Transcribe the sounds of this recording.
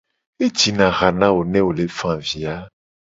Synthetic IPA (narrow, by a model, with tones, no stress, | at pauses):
e˦d͡ʒi˨nã˨ɣa˨nã˦wo˨nɛ̃˦wo˨le˨fã˨vi˨a˦